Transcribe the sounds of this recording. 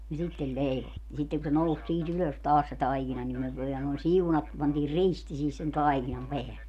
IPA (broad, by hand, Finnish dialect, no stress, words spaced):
jɑ sitːel leiʋo jɑ sitːeŋ ku se nous siːt yløs tɑːs se tɑikinɑ nim myø ʋielæ noin siunɑt pɑntiːr risti sihis sen tɑikinɑm peælːe